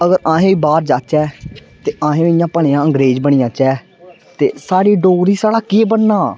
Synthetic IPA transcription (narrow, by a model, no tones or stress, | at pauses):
əɡəɾãːɦẽːiːbaːɾd͡ʒaːt͡ʃɛːt̪eːʔãːɦẽːɪjãːpəɳeːãːəŋɡɾeːd͡ʒbəɽ̃ɪjãːt͡ʃɛː | t̪ḛːsaːɽiːɖoːɾiːsaːɽaːkeːbənnaː